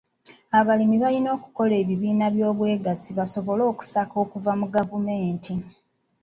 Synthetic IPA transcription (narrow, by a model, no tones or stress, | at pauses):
aβalimiβalino̞ːku̥ko̞le̞ːβiβiːnaβjo̞ːβwe̞ːɡasiβaso̞βo̞lo̞ːku̥sako̞ːkuvamuɡavume̞ːntʰi